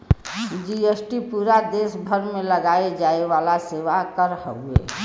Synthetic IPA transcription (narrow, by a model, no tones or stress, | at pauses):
d͡ʒiesʈipuːɾad̪eːsbʱəɾmẽləɡaed͡ʒaeʋalaseːʋakəɾhəuḛ